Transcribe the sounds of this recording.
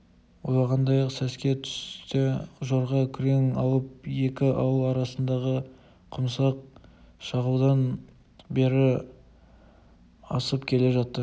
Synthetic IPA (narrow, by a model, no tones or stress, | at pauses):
wolˠɑʁɑnd̪ɑjɑqsæskʲe̞t̪ʰʏ̥st̪ɪʒo̞ɾʁɑkʲʰʏɾe̞ŋɑlˠəp̚je̞kʲɪʔɑwəlˠɑɾɑsənd̪ɑʁə | qʰʊmsɑq̚ | ʃɑʁud̪ɑn | be̞ɾɪ | ɑ̰səpkʲʰe̞le̞ʒɑt̪ːə